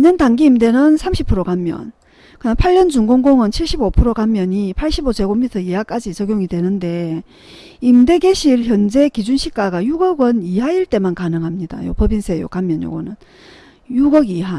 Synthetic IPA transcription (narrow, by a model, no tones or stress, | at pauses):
iɲʌndaŋɡiːmde̞nɯnsʰamɕʰipʰuɾokamːjʌ̰n | kɯnapʰaʎːʌnt͡ɕuŋɡoŋɡoŋɯnt͡ɕʰiɭɕ͈ibopʰuɾokamjʌɲipʰaɭɕ͈ibot͡ɕe̞ɡomitʰʌjijak͈ad͡ʑit͡ɕʌɡjoŋidwe̞nɯnde̞ | imde̞ɡeɕʰiɾçjʌnd͡ʑe̞kid͡ʑunɕʰik͈aɡajuɡʌɡɯniɦaiɭt͈e̞mankanɯŋɦamɲida̰jo̰pʌbinsʰejo̰kamjʌɲjo̰ɡʌ̰nɯn | juɡʌɡiɦa